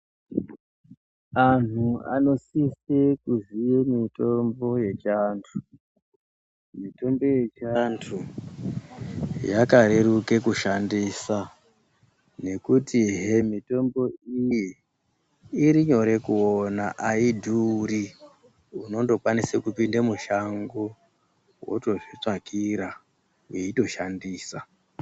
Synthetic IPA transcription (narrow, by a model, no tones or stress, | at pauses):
an̤ua̰no̞sisekuzijemito̞mbo̞je̞t͡ʃantʰu̥ | mito̞mbo̞je̞t͡ʃantʰu | jakaɾe̞ɾuke̞kuʃandisa | ne̞kutiɦemito̞mbo̞iji | ɾiɲo̞ɾe̞kuonaʔaidʱuːɾi | uno̞ndo̞kwanisekupindamuʃaŋɡo | wo̞̰to̞ʐit͡ʂakʰiɾa | weito̞ʃandiːsa